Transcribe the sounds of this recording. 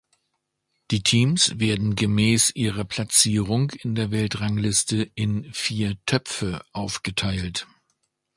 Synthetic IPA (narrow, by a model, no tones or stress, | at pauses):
d̥iːtʰiːmsv̥eːɐdn̩ɡəmɛːsʔiːʁɐpʰl̥at͡siːʁʊŋɪndeːɐvɛltʁaŋlɪstəɪnfiːɐtʰœpp͡fəʔaʊfɡ̥ətʰaɪlt